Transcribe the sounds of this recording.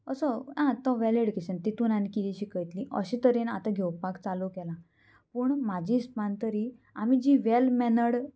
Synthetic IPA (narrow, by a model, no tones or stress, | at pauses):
əsɔãt̪ɔʋɛleɽkisənt̪it̪unanikid̪iɕikəjt̪liʔə̰ɕit̪əɾenat̪aɡʱewpakt͡salukɛlã | pəɳmad͡ʑispant̪əɾi | amid͡ʑiʋɛlmɛnəɽ